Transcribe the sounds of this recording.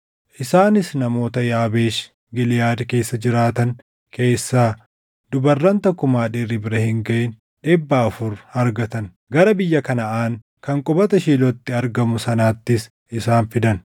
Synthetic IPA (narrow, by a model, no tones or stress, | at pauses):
ʔɪsaːnɪsnɐmo̞ːt̪ɐjaːbe̞ːʃ | ɡɪlɪjaːd̪ke̞ːsːɐd͡ʒɪɾaːt̪ɐŋ | ke̞ːsːaː | d̪ʊbɐrːɐnt̪ɐkːʊmaːᶑeːrːɪbɪɾɐhɪŋɡɐʔen | ᶑeːbːaːɐfʊɾɐɾɡɐt̪ɐn | ɡɐɾɐbɪjːɐkɐnɐʔaːŋ | kɐŋkʼɔbɐt̪ɐʃiːlɔt̪ːɪɐɾɡɐmʊsɐnaːt̪ːɪs | ʔɪsaːnfɪd̪ɐn